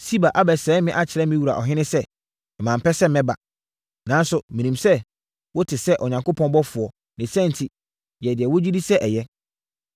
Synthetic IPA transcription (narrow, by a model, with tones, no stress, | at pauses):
si˦ba˨ʔa˦bɛ˨sɛː˨˦mɪ̃˦ʔa˦t͡ɕʰɪ˨ɾɛ˦mɪ̃˦wu˨ɾa̰˨ʔɔ̰˨ɦɪ̃˦nɪ̃˦sɛ˦ | ɛ˨mã˨m̩˨pʰɛ˦sɛ˦˨mɛ̃˦ba̰˨ | nã˨n˦sʊ˨mĩ˨nĩ˨msɛ˦ | wɔ˦tʰɪ˨sɛ˦ʔɔ˨ɲã˨ŋko˦pʰɔ̃˦n˦bɔ˦fʊ˨ɔ˨ | nɪ̃˨sɛ̃˦n˨tʰi˨ | jɛ˨dɪ˨ɛ˨wo˦d͡ʑi˦di˦sɛ˦ʔɛ˨jɛ˦